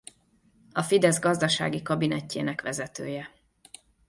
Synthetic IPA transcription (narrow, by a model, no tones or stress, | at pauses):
ɒfid̪ɛzɡɒzd̪ɒʃa̰ːɡikɒbinɛcːḛːnɛkʋɛzɛt̪øːjɛ